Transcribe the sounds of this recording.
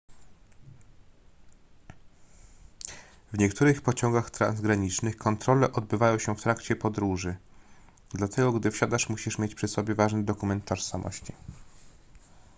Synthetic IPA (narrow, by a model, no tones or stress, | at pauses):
vɲɛkt̪ʰuɾɘxpɔt͡ɕɔŋɡaxt̪ɾa̰nzɡɾaɲit͡ʂnɘxkʰɔnt̪ɾɔlɛʔɔd̪̚bɘvajɔ̃w̃ɕɛft̪ɾakt͡ɕɛpɔd̪ɾuʐɘ | d̪lat̪ʰɛɡɔɡd̪ɘfɕad̪aʂmuɕiʂmʲjet͡ɕpʂɘsɔbʲjɛvaʐnɘd̪ɔkumɛnt̪ːɔʂsamʔɔ̰ɕt͡ɕi